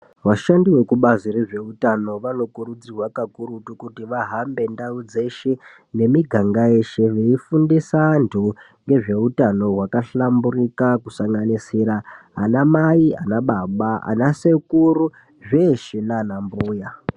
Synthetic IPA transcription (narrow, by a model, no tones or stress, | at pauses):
ʋaʃandiwe̞kuɓazireʐe̞utano̞ʋano̞kuɾud͡zirwakakuɾutukutiʋaɦambe̞ndaud͡ze̞ʃe̞ | ne̞miɡʱaŋɡae̞ʃe̞ʋeifundisandu | ŋɡe̞ʐe̞utano̞ɦwakaɬamburikakusaŋɡanisiɾaɦanamaia̰naɓaɓaa̰nase̞kuru | ʐe̞ʃenanambuːja